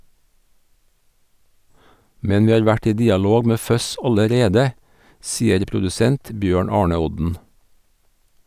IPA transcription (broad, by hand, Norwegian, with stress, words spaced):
ˈmɛn ˈʋiː ˈɑːɾ ˈʋæʈ ˈiː ˈdiːɑˌloːɡ ˈmeː ˈfœs ˈɑləˌɾeːdə ˈsiːəɾ pɾʊdʉˈsɛnt ˈbjøːɳ ˈɑːɳə ˈɔdn̩